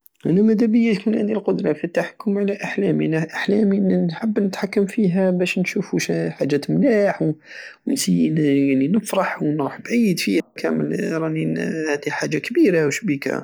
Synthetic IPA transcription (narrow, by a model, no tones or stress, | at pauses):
ʔæ̰næmæd̪æbəjːətmənhænd̪ilqod̪ɾˤɑfit̪ːaħḁkːʊmʕalæʔaħlæmnæʔaħlæminħəbːnət̪ħakːəmfiɦæbæʃnʃufuʃħaʒːæt̪mlaħw | wnsijːinjaʕninəfɾˤɑħwnɾˤuħbʕijːəd̪fihækʰæ̰mə̰lɾˤɑninhæd̪iħaʒːakbiɾawʃbikæ̰